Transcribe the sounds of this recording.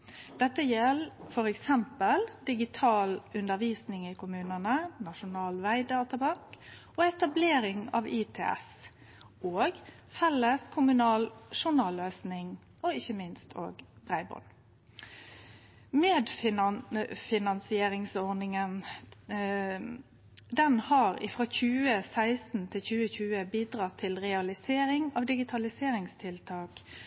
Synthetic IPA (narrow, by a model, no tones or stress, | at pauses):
d̪̥ɛt̪ːəjɛlfɔɾɛksɛmpəld̪ɪɡɪt̪ʰɑːlʉnd̪əʁʋiːsnɪŋɪkʰʊmʉːnənənɑʂʊnɑːlʋæɪd̪ɑːt̪ʰəbɑŋkʔɔɛt̪ɑbleːɾɪŋɑ̰ʋit̪ʰḛːɛ̰s | oːɡ | fɛlːəskʰʊmʉnɑːlʂʊnɑːløːsnɪŋ | ɔɪçːəmɪnst̪ʰo̰ːɡbʁæɪbɔ̰n | meːd̪fɪ | fɪnɑnsɪeːɾɪŋsɔʁnɪŋən | d̪ɛnhɑɾɪ̰fʁoːçʉːəsæɪst̪n̩t̪ʰɪlçʉːəçʉːəbiːd̪ɾɑt̪ʰːɪlʁɛɑlɪseːɾɪŋɑʋd̪ɪɡɪt̪ʰɑlɪseːɾɪŋst̪ʰɪlt̪ʰɑːk